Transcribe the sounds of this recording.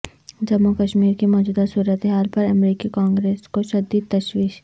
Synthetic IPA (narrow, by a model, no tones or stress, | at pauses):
d͡ʒɐmːukɐʃmiːɾkimɔːd͡ʒuːd̪asuːɾət̪ɦaːlpɐɾɐmɾiːkikãːŋɡɾeːskoʃɐd̪it̪ɐʃwiːʃ